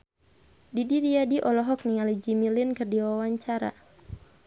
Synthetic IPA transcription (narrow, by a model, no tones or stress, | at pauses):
didiɾiadiʔɔlɔɦɔk̚niŋalid͡ʒimilɪnkɨrdiwawaɲt͡ʃaɾa̰